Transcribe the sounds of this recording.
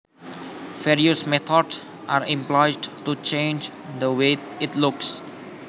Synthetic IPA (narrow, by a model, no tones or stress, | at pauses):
vɛɹiəsmɛt̪ʰɔds | ʔaɾĩmplɔjdtut͡ʃẽnd͡ʒ | d̪əweɪtluks